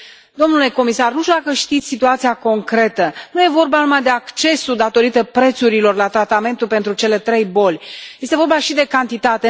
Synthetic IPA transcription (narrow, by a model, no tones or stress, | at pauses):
d̪o̞mnule̞ko̞misarnuʃt̪ʲud̪akəʃt̪it̪sʲsit̪uat̪sijako̞ŋkɾe̞t̪ənuje̞vo̞rbanumad̪e̞akt͡ʃe̞sud̪at̪o̞ɾit̪əpɾe̞t̪suɾilo̞rlat̪ɾat̪ame̞nt̪ulpe̞nt̪ɾut͡ʃe̞le̞t̪ɾe̞jbo̞lʲje̞st̪e̞vo̞rbaʃid̪e̞kant̪it̪at̪e̞